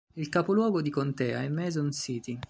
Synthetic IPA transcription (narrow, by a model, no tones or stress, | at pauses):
ilkapolwɔːɡod̪ikont̪ɛːa̰ɛmːɛzonsiːt̪i